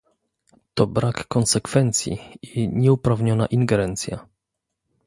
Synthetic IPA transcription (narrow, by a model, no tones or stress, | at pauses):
t̪ɔbɾakːɔnsɛkfɛnt̪sʲjḭiɲɛupɾavɲɔna̰ʔiŋɡɛɾɛnt̪sʲja̰